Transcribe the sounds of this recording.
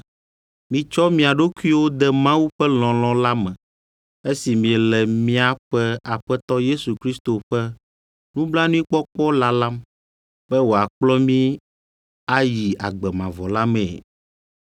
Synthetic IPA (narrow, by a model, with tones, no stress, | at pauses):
mĩ˨t͡ʃɔ˦mĩ˨a˨ɖo˦ku˦i˦wo˦d̪ɛ˦mã˦wu˦ɸɛ˦l̃ɔ̃˨lɔ̃˦la˦mɛ̃˨ | e˦si˨mĩ˨ɛ˨lɛ˨mĩ˦a˨ɸɛ˦a˨ɸɛ˦t̪ɔ˦je˦su˨kɾi˦st̪o˨ɸɛ˦ | nũ˦bla˦nũ˦ĩ˦k͡pɔ˦k͡pɔ˦la˦lã˦m | bɛ˦wo˨a˨k͡plɔ˦mĩ˦ | a˦ji˨a̰˨ɡ͡bɛ˨mã˨vɔ˨la˦mɛ̃˨